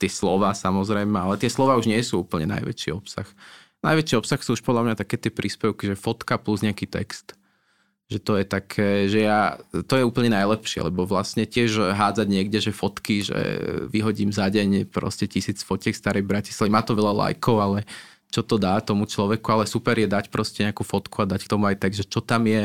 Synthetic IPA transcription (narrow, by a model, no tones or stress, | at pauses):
t̪ɪɛslɔʋaːsamɔzɾɛjmɛalɛt̪ɪɛslˠɔʋaːuʒɲɪɛsuːuːpl̩ɲɛna̰jʋɛ̰t͡ʃḭɔpsa̰x | na̰jʋɛt͡ʃiɔpsaxsuːuʃpɔd̪ʎlamɲat̪akɛːt̪ɪɛpɾiːspɛʊkiʒɛfɔt̪kapluzɲɪakiːt̪ɛ̰kst̪ | ʒɛt̪ɔjɛt̪akʰɛːʒɛjat̪ɔjɛuːpl̩ɲɛnajlɛpʃɪɛ̰lɛ̰bɔʋlasɲɛcɪɛʒɦaːd͡zaɟɲɪɛɡɟɛʒɛfɔt̪kiʒɛ̰ʋiɦɔɟiːmzaɟɛɲpɾɔ̰scɛcisiːt͡sfɔcɛkst̪aɾɛjbɾaci̥slaimaːt̪ɔʋɛʎala̰jkʰɔʊalɛ | t͡ʃɔt̪ɔd̪aːt̪ɔmut͡ʃlɔʋɛkualɛsupɛɾjɛd̪acpɾɔscɛɲɛakuːfɔt̪kuad̪ackt̪ɔmuajt̪ɛɡʒɛt͡ʃɔt̪amjɛ